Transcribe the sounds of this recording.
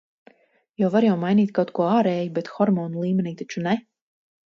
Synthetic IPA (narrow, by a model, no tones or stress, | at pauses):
jawvaɾjawmajniːt̪̚kawt̪kuɔaːɾɛːjubɛt̪xɔɾmɔːnulˠiːmɛniːt̪at͡ʃunɛ